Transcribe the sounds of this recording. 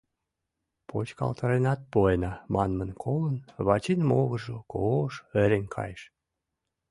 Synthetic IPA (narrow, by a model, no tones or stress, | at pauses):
pʰot͡ɕkɑ̰lt̪ɑɾenɑt̪̚pojenɑmɑnmənkʰolənβɑt͡ɕinmoɣəʒokoʃeɾʲenʲkʰɑ̰jʃ